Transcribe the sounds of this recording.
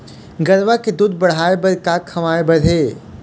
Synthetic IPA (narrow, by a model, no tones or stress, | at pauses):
ɡɐɾʋaked̪uːd̪̚bɐɽ̤aːebɐɾkakʰɐʋaːebɐɽʱeː